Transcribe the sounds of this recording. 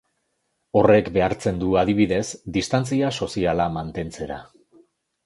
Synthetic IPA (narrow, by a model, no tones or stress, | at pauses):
o̞re̞kbe̞aɾt͡se̞nd̪uað̞iβ̞iðe̞zd̪ist̪ant͡siaso̞sialamant̪e̞nt͡se̞ɾa̰